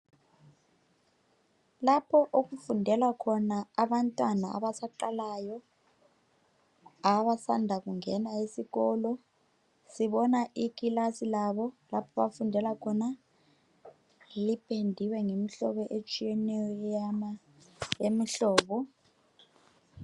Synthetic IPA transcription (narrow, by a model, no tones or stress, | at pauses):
lapʰɔʔok̬ufundʱɛlakʰɔnaaβantʼwanaa̰βasaǃalajɔ | aβasandʱakuŋɛnaisiɣɔlɔ | siɓɔnaʔikʼilasilaβɔlapʰɔβafundʱɛlakʰɔna | lipʰʼendʱiwɛŋemiɬɔ̰ɓɔʔet͡ʃʼijɛnɛjɔma | jemiɬɔːɓɔ